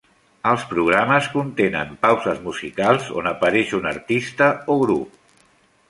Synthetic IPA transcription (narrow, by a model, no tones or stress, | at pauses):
əlˠspɾuɣ̞ɾaməskunt̪enə̰mpawzəzmuzikalˠzo̰nəpəɾɛʃunəɾt̪ist̪əoɣɾup̚